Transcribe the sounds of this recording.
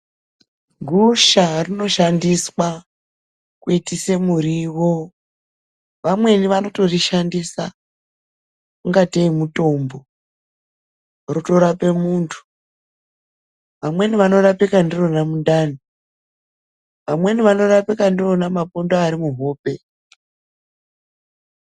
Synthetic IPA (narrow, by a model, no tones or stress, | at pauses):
ɡʱuʃarino̞ʃandiswa | kuitise̞muɾiʋo̞ | ʋamwe̞niʋano̞to̞riʃandisa | kuŋɡateimuto̞mbo̞ | rutoɾape̞muntʰu̥ | ʋamwe̞niʋano̞rapikandiro̞namundani | ʋamwe̞niʋano̞rapikandiro̞namapondoaɾimuɦo̞ːpe̞